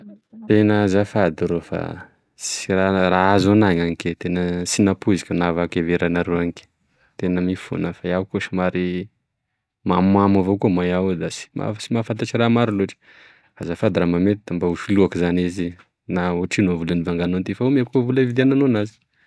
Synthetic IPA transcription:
t̪enəzafad̪iɾofa̰ | sirarazonaɲaŋiket̪enəsinapuzikənavakeveɾanaɾeaŋike̥ | t̪enəmifṵnəfaiawkuʃimaɾi | mamamavokumajawd̪asi̥ma̰simafant̪at͡ʃiɾamaɾiloʈ͡ʂi̥ | fazafad̪iɾamamet̪id̪ambaufiluakizanizi | nauʈ͡ʂinovulənivaŋɡanont̪ifaomiakovuləvid̪eananonazi̥

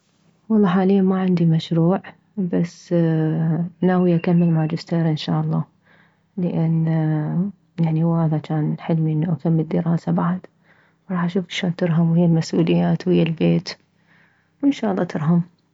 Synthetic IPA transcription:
wɑlˤːɑːħaːlɪjːamaʕɪnd̪imaʃɾuːʕ | basː | naːwijakamːɪlmaːd͡ʒɪst̪eːɾʔɪnʃa̰ːʔɑlˤːɑː | ləʔɪnː | jaʕniwhaːðat͡ʃaːnħɪlmiʔɪnːuʔakamːɪld̪ːəɾɑːsabaʕad̪ | wɾˤɑːħʔaʃuːfkʃoːnt̪ɪɾɦamwhɪjːalmasʔuːlɪjːaːt̪whɪjːalbeːt̪ | wɪnʃaːʔɑlˤːɑːt̪ɪɾɦam

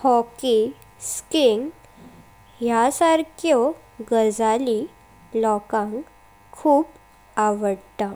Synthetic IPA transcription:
hɔki | skiŋɡ | ɦjasaɾkʰjɔ | ɡəd͡zali | lɔkãŋk | kʰːuːp | aʋəɽt̪a

